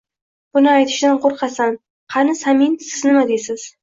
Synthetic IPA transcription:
b̥ʊnɪajt̪ʰɪ̥ʃd̪anqʰoɾqʰɑsan | qʰɑnɪsaminsɪznɪmad̪esɪz̥

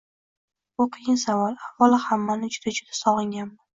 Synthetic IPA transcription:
bʊqʰɨjɪnsavɒɾavɒlˠɪhamːanɪd͡ʒʊd̪ad͡ʒʊd̪asɒʁɨŋɡʲanma

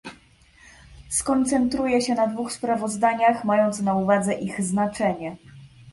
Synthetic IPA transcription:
skɔnt̪sɛnt̪ɾujɛɕɛnad̪vuxspɾavɔzd̪aɲaxmajɔnt̪snauvad̪zɛʔiɣznat͡ʂɛɲɛ

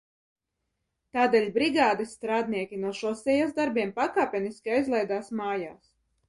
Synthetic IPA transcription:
t̪aːd̪eːlʲbɾiɡaːd̪isːt̪ɾaːd̪̚niɛkʲinuɔʃɔɔsɛjasd̪aɾbʲiɛmpakaːpʲɛniskʲiajzlˠɛjd̪aːsmaːja̰ːs

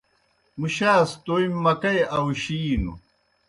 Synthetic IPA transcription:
muɕaːst̪oimːɐkɐjɐwɕiːnṵ

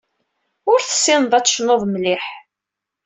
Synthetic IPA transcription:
ʊɾθə̥sːɪnðˤæt͡sːʃnoðˤmlɪħ

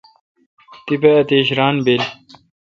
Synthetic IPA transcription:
t̪ipeɐt̪eːɕɾaːnbel

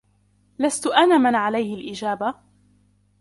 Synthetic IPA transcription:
last̪ʊʔanaːmanʕalajhɪlʔɪd͡ʒaːba

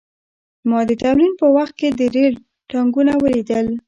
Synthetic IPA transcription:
mɑd̪ət̪awɾinpəwaxt̪̚ked̪əɾel | ʈɑŋɡunawəɾid̪əl

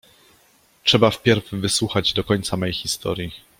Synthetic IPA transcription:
tʂɛbafpʲjɛɾvːɘswuxad͡ʑd̪ɔkɔɲt̪samɛjxʲist̪ɔ̰ɾʲji

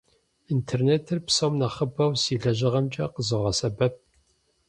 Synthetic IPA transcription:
intʰerneːtʰɨrpsɐwmnɐχəbɐwsiːɮɐʒɪʁɐmt͡ʃʼɐqəzɨʁɐsɐbɐp̚

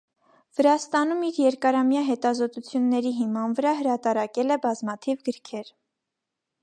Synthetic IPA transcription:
vəɾɑst̪ɑnumiɾjɛɾkɑɾɑmjɑɦɛt̪ɑzɔt̪ut͡sʰjunːɛɾiɦimɑnvəɾɑɦəɾɑt̪ɑɾɑkɛlɛbɑzmɑt̪ʰivɡəɾkʰɛɾ

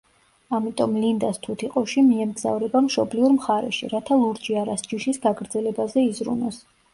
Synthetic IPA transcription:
amit̪ʼɔmlind̪ast̪ʰut̪ʰiqʼɔʃimiɛmɡza̰vɾɛbamʃɔbliuɾmχaɾɛ̰ʃḭɾat̪ʰalˠuɾd͡ʒiaɾasd͡ʒiʃisɡaɡɾd̪zɛlɛbazɛizɾṵnɔs

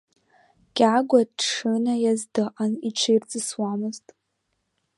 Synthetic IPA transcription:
ɡ̥ʲʼaɡʷadʂɨnajazdɨʔaniʈ͡ʂʰɨirt͡sʼɨswamɨztʼ

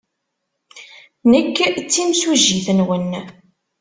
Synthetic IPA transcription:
nəkːt͡sːimsuʒːiθənwən

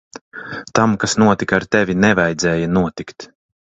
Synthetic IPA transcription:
t̪amkasnuɔt̪ikaːɾt̪ɛvʲinɛvajd̪zɛːjanuɔt̪ikt̪

